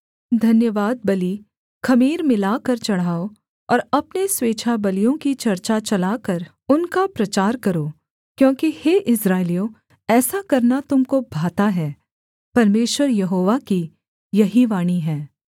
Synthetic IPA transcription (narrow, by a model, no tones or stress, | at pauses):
d̪ʱɐnjəʋaːd̪̚bɐli | xɐmiːɾmɪlaːkɐɾt͡ʃɐɽ̤aːo | ɔːɾɐpnesweːt͡ʃʰabɐlijõkit͡ʃɐɾt͡ʃat͡ʃɐlaːkɐɾ | ʊnkapɾɐt͡ʃaːɾkɐɾoː | kjõːkiheːʔɪsɾaːɪlijõː | ɛːsakɐɾnat̪ʊmkobʱaːt̪aɦɛː | pɐɾmeːʃwəɾjɐɦoːʋaki | jɐɦiʋaːɽ̃iɦɛː